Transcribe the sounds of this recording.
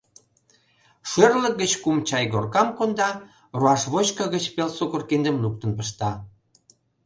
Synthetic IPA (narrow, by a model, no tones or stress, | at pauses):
ʃørlək̚ɡət͡ɕkumt͡ɕɑjɡorkɑmkond̪ɑ | ruɑʃβot͡ɕkəɣət͡ɕpelsokorkend̪əmluk̚t̪ənpə̆ʃt̪ɑ